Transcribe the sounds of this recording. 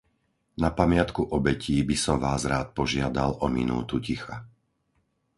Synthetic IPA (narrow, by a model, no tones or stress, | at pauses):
napamɪat̪kuʔɔbɛciːbisɔmʋaːzɾaːt̪̚pɔʒɪad̪alɔmḭnṵːt̪ucixa